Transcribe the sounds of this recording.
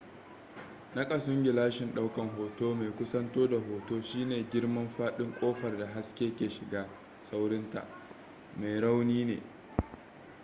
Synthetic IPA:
nɐ˦kʼɐ˨sʊ˦ŋɡʲɪ˨laː˦ʃɪ˨nɗa˦wkɐ˨ŋɦoː˨toː˦me˨kʷʊ˦sɐ˦ntoː˦da˨ɦoː˨toː˦ʃiː˦neː˨ɡʲɪ˦ɽmɐ˦mɸaː˦ɗɪ˦ŋkʷʼoː˦ɸɐ˨rda˨ɦa˦skʲeː˦kʲeː˨ʃɪ˨ɡaː˦ | sa˦wɽɪ˦nta̰˨ʔ | me˨jɽa˦wniː˦nḛː˨

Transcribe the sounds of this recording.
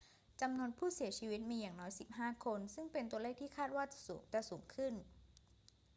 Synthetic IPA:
t͡ɕa˧mnu˧ənpʰuː˥˩si˨˩˦ɐt͡ɕʰiː˧wi˦˥t̪̚miː˧jaː˨˩ŋnɔː˦˥jsi˨˩p̚ɦaː˥˩kʰo˧nsɯ˥˩ŋpe˧nt̪u˧əleː˥˩k̚t̪ʰiː˥˩kʰaː˥˩t̪̚waː˥˩t͡ɕḁ˨˩suː˩˦ŋt͡ɕa˨˩suː˩˦ŋkʰɯ˥˩n

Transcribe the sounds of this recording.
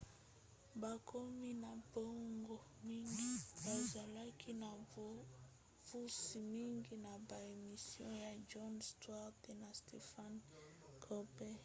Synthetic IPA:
ba˨kʰo˦mi˦na˨bo˦ŋɡo˨mi˦ŋɡi˦ba˨za˨la˦kʰi˦na˨ | v̥u˦si˨mi˦ŋɡi˦na˨ba˨e˨mi˨sjɔ̰̃˦ja˨d͡ʒɔ˦nstwa˦te˨na˨ste˨fa˦nkʰɔ˦pɛ˦

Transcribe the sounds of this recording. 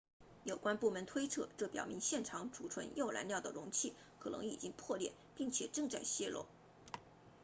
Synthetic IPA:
jo˨˩ʊkwa˥npu˥˩mə˧˥nt̪ʰwe˥ɪt͡sʰɤ˥˩ʈ͡ʂɤ˥˩pjɑ̰˨˩ʊmi˧˥ŋɕjɛ˥˩nʈ͡ʂʰɑ˧˥ŋʈ͡ʂu˨˩ʈ͡ʂʰwə̰˧˥njo˥˩ʊla˧˥nljɑ˥˩ʊd̪ə˩ɻʊ˧˥ŋt͡ɕʰi˥˩ | kʰɤ˨˩nɤ̰˧˥ŋḭ˨˩t͡ɕi˥ŋpʰwɔ˥˧ljɛ̰˥˩ | pi˥˩ŋt͡ɕʰjɛ˨˩ʈ͡ʂɤ˥˧ŋt͡sa˥˩ɪɕjɛ˥lɔ̰˥˩˦

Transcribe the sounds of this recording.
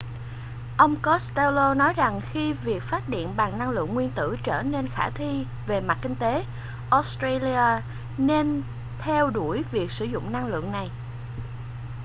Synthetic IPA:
ʔə˧wŋ͡mkɔ˦˥st̪ɛ˧wlo˧nɔ˨˦jza˨˩ŋxi˧vi˨˩ək̚faː˦˥t̚ɗḭ˧˨ənɓaː˨˩ŋna˧ŋlɨ̰˧˨əŋːwi˧ənt̪ɨ̰˧˩t͡ɕəː˧˩ne˧nxaː˧˩t̪ʰi˧ | ve˨˩ma˨˩t̚kï˧ŋt̪e˨˦ | ʔɔ˦˥st̪ɾa˧li˧aː˧ | ne˧n | t̪ʰɛ˧wɗu˧˩əjvi˨˩ək̚sɨ˧˩zʊ̰˧˨ŋ͡mna˧ŋlɨ̰˧˨əŋna˨˩j

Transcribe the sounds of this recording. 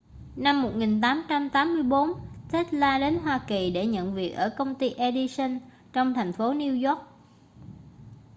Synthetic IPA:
na˧mːo˨˩t̚ŋi˨˩nt̪aː˨˦mt͡ɕa˧mt̪aː˨˦mːɨ˧əjɓo˨˦nt̪ʰe˦˥t̚laː˧ɗe˨˦nɦwaː˧ki˨˩ɗe˧˩ɲə̰˧˨nvi˨˩ək̚ʔəː˧˩kə˧wŋ͡mt̪i˧ʔe˧ɗi˧sə˧n | t͡ɕɔ˧wŋ͡mt̪ʰɛ˨˩jŋ̟fo˨˦ni˧əwzɔ˦˥k̚

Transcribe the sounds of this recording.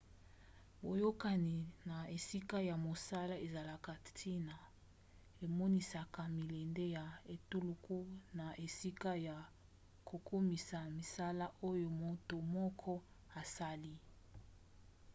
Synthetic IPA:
bo˨jo˦ka˨ni˨na˨e˨si˦ka˦ja˨mo˨sa˦la˦e˨za˨la˨ka˨tʰi˦na˨ | e˨mɔ˦ni˨sa˨ka˨mi˨lɛ˨nde˦ja˨e˨tu˦lu˨ku˦na˨ʔe˨si˦ka˦ja˨ | kʰo˨kʰo˦mi˨sa˨mi˨sa˦la˦o˦jo˨mo˦to˨mɔ˦kʰɔ˦ | a˨sa˦li˦

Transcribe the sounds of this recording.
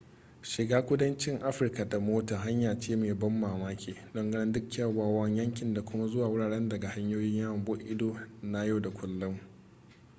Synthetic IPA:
ʃɪ˨ɡaː˦kʷʊ˦dɐ˦nt͡ʃɪ˦ŋʔa˦ɸɪ˨rka˨da˨moː˦ta˨ɦa˦ɲjaː˨t͡ʃeː˦meː˨bɐ˦mːaː˨maː˦kʲʰeː˨dɔ˦ŋɡɐ˦nɪ˦ndʊ˦kʲːɐ˦˨waː˨wɐ˦ɲjɐ˦ŋkʲɪ˨nda˨kʷʊ˦ma˦zʊ˦waː˨wʊ˦ɽaː˨ɽɛ˦ndɐ˨ɡa˨ha˦ɲjoː˦jɪ˦ɲjaː˦wɐ˨bo˦ʔɪ˦doː˦na˦ja˦˨da˨kʷʊ˨lːʊ˦m

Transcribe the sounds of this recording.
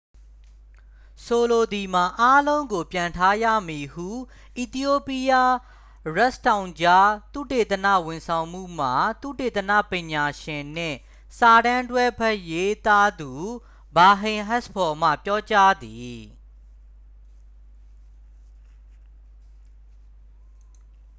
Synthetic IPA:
so˨lo˨d̪i˨ma˨ʔa˦lõ˦ʊ̃ŋɡo˨pjã˨ntʰa˦jä̰˦˨mi˨hṵ˦˨ | ʔi˨t̪i˦jo˦˨pi˦ja˦ | ɹɛ˦ʔstã˨ʊ̃ɲd͡ʑa˦t̪ṵ˦˨te˨t̪ənä̰˦˨wɪ̃˨nsʰã˨ʊ̃mṵ˦˨m̥a˨t̪ṵ˦˨te˨t̪ənä̰˦˨pɪ̃˨ɲa˨ʃɪ̃˨n̥ɪ̰̃˦˨ | sa˨ɾã˦ntwɛ˦bɛ˦ʔje˦t̪a˦d̪u˨ | ba˨ɦɪ̃˨ɦɛ˦spʰɔ˨m̥a̰˦˨pjɔ˦t͡ɕa˦d̪i˨

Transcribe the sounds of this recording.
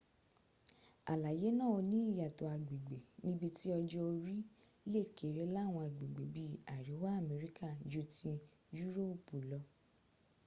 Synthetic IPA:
a̰˨la˨je˨˦nã˦˨o˧nĩ˨˦i˦˨ja˨to˨a˧˨ɡ͡be˨ɡ͡be˨nĩ˦bi˧ti˦ɔ˧d͡ʒɔ˦o˧ɾi˦ | le˦˨ke˨ɾe˨˦la˦˨w̃ɔ̃˧a˨ɡ͡be˨ɡ͡be˨bi˦˨a˨ɾi˨˦wa˦a˦˨mɛ˨˦ɾi˦ka˦˨d͡ʒu˧˦tĩ˧ | ju˦ɾo˦˨pu˨lɔ˧

